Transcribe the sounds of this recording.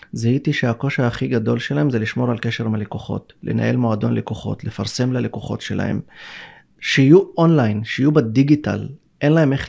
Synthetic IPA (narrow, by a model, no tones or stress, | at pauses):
zaitiʃeako̞ʃaaːχiɡado̞lʃelahe̞mzeliʃmo̞ʁalke̞ʃe̞ʁmalekoχo̞̰tle̞̰na̰ʔe̞̰lmoado̞nlekoχo̞̰tle̞faʁse̞mlalekoχo̞̰tʃe̞la̰e̞̰m | ʃehijuonlajnʃeijubadiɡita̰l | ʔe̞nlahe̞me̞χ